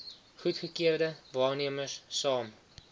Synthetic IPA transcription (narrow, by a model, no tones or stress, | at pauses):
χutχəkiərdəvɑːrniəmərssɑːm